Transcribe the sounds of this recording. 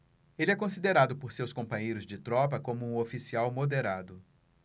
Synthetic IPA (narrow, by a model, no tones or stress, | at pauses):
elɪɛkõsid̪eɾad̪ʊpoɾsewskõpɐ̃ɲejɾʊzd͡ʒɪt̪ɾɔpɐkõmʊũofisiawmod̪eɾad̪ʊ